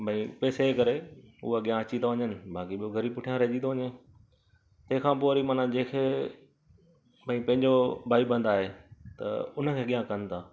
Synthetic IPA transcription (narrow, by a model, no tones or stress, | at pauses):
bʱɐ̃ĩpɛːsekɐɾeʊ̰ɦaɠijãɐt͡ɕit̪aʋɐɲənɪ̆bʱaːkiɓijoɡʱɐɾiːbʊʈʰijãɾeːʄit̪oʋɐɲe | t̪ɐ̃ɦɪ̃kʰãːpoɾimaːnãd͡ʑẽːkʰeː | bʱɐ̃ĩpɐ̃ɦɪ̃ɲd͡ʑobʱaːibə̃nd̪aːɦet̪ɐ̰ʊnə̆kʰeːɠijãkɐn̆t̪ʰaː